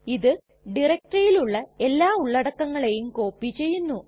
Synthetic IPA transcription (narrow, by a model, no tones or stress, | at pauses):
iðɨ | ɖirɐk̚ʈrɐjiluɭːɐe̞lːaːuɭːɐɽɐkːɐŋːɐɭe̞jumko̞ːpːit͡ɕe̞jːunːu